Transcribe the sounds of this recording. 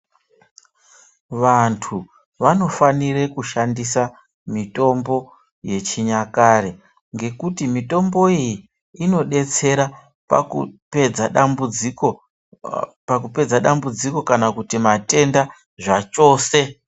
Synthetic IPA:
ʋantʰu | ʋano̞fanire̞kuʃandisa | mito̞mbo̞ | je̞t͡ʃiɲakaɾe | ŋɡe̞kutimito̞mbo̞iji | ino̞ɗe̞t͡se̞ɾa | u | pakupe̞d͡zaɗambud͡ziko̞kanakutimate̞nda | ʐat͡ʃo̞ːse̞

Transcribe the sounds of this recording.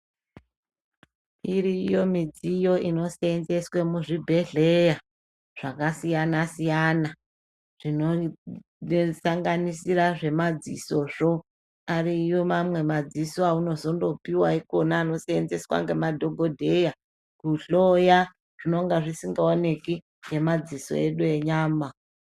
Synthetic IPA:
iɾijo̞mid͡zijo̞ʔino̞seenze̞swemuʐibʱe̞ɮe̞ja | ʐ̥akasijanasijana | ʐ̥ino | saŋɡanisiraʐe̞mad͡zḭso̞ʐo̞ | arijomamwe̞mad͡zisoauno̞zo̞ndo̞piwaiko̞naːno̞seend͡ze̞swa̰ŋɡe̞madʱo̞ɡʱo̞dʱe̞ja | kuɬoja | ʐ̥ino̞ŋɡaʐisiŋɡaone̞ki | ŋɡe̞mad͡ziso̞̰eɗue̞ɲaːma

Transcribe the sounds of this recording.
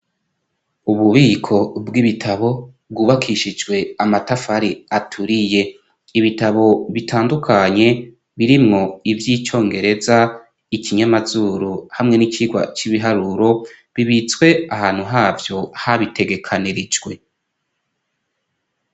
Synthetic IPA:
uβuβiːkʰo̞bɡiβitʰaβo̞bɡuːβakʰiʃid͡ʒɡwe̞amatafaɾiatʰuɾije̞ | iβitaβo̞βitʰaːndukʰaɲe̞ | βiɾimŋo̞ivjiːt͡ʃo̞ːŋɡe̞ɾe̞za | icʰiɲamazuːɾuhamŋe̞nit͡ʃiɡwa̰t͡ʃiβiɦaɾuɾo̞ | βiβit͡swe̞ahaːn̥huɦaːvjo̞haβitʰe̞ɡe̞kʰaniɾid͡ʒɡwe̞

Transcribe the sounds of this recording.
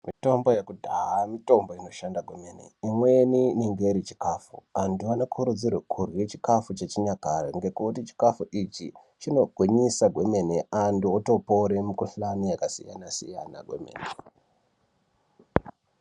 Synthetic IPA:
mito̞mbo̞jekudʱaɦamito̞mbo̞ino̞ʃandaɡʱweme̞nḛimwe̞niniŋɡeɾit͡ʃi̥kafṵanduano̞kʰuɾud͡zirwekʰurwet͡ʃi̥kafut͡ʃet͡ʃiɲakarḛŋɡe̞kutit͡ʃi̥kafuʔit͡ʃḭ | t͡ʃino̞ɡʱwiɲisaɡʱwe̞me̞neʔanduoto̞poɾemukuɬanijakasḭja̰nasḭja̰na̰ɡwe̞̰mḛːne

